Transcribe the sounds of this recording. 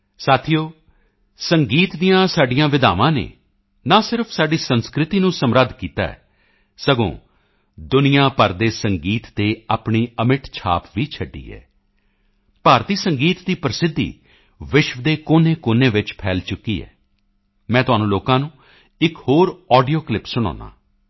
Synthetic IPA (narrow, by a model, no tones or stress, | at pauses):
saːt̪ʰijoː | səŋɡiːt̪d̪ijãːsaːɖɪjãːʋɪd̪a̰ːʋãːnḛː | nãːsɪɾəpʰsaːɖiːsənskɾɪt̪iːnũːsəmɾəd̪ʱkiːt̪a̰ːɛ̰ː | səɡõ̰ː | d̪ʊnɪjãːpəɾd̪eːsəŋɡiːt̪ːt̪eːaːpɳiːəmɪʈt͡ʃʰa̰ːpʋiːt͡ʃʰəɖːḭːɛ̰ː | paːɾt̪iːsəŋɡiːt̪d̪iːpɾəsɪd̪ʱːḭː | ʋɪʃʋəd̪eːkoːneːkʊneːʋɪt͡ʃpʰɛːlt͡ʃʊkːiːɛ̰ː | mɛ̃ːt̪ʊɦaːnũːloːkãːnũː | ɪkhoːɾɔːɖijoːklɪpsʊɽ̃a̰ːnã̰ː